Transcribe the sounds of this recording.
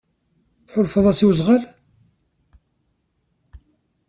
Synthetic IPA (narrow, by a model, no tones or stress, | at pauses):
θħʊlfəðˤæsiwzˤʁəl